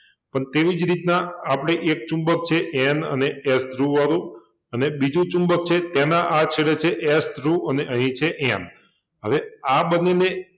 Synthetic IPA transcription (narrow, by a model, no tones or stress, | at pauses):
pəɳt̪eʋid͡ʒɾit̪nãapɽ̃eʔek̚t͡ʃũmbək̚t͡ʃʰeʔɛnə̰neːsd̪ɾuʋaɾũ | ənebid͡ʒũt͡ʃũmbək̚t͡ʃʰet̪anãʔat͡ʃʰeɭet͡ʃʰeʔɛsd̪ʱɾũəneəɦĩt͡ʃʰeʔɛn | ɦəʋeabənːene